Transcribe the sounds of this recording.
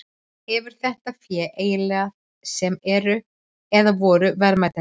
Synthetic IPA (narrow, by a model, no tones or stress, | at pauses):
ɛvʏɾ̥θɛht̪afjɛːʔeːjɪlɛɣað | sɛmɛɾʏ | ɛðavɔːɾʏvɛɾmajt̪a